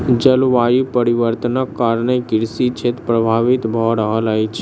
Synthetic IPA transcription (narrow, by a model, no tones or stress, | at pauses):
d͡ʒəlʋaɾipəɾiʋəɾt̪ənəkːaɾɳekɪɾsit͡ʃʰet̪pɾəbʱaʋit̪bʱɔɾəɦalajt͡ʃʰe